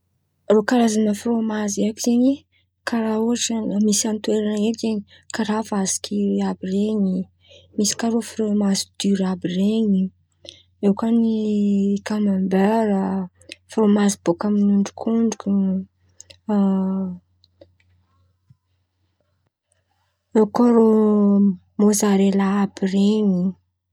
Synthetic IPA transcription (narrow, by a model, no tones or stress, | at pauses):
rokaɾazanəfromaziakiz̥eɲi | kʰaɾauaʈ͡ʂəmisant̪weɾaned͡ʒeɲi̥ | kaɾavasi̥kʲʰiabireɲi | misi̥kaɾofromazid̪yɾabireɲi | ewkənikamambeɾə | fromazibokaminuɳɖ͡ʐukʰuɳɖ͡ʐukʲu | ekaɾo | mozaɾelaabireɲi